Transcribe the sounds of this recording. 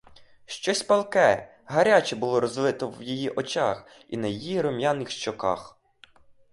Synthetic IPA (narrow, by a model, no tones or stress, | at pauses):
ʃt͡ʃɔsʲpɐlˠkɛ | ɦɐɾʲat͡ʃɛbʊlˠɔɾɔzlˠɪt̪ɔwjijiʔɔt͡ʃɑx | ḭnɐjijiɾɔmjanːɪxʃt͡ʃɔkɑ̰x